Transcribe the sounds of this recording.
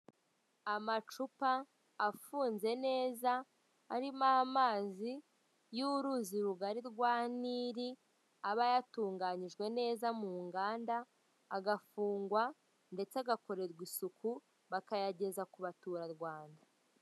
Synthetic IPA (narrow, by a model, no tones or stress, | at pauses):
amat͡ʃupaː | fuːnze̞ne̞ːzaː | ɾimahamaːzi | juɾuziɾuɡaɾiɾɡwaːniːɾi | aβajatuːŋɡaɲiʒɡwe̞ne̞ːzamuːŋɡaːndaː | ɡafuːŋɡwa | nde̞t͡seaɡako̞ɾe̞ɾɡwisuku | βakajaɟe̞zakuβatuːɾaɾɡwaːnda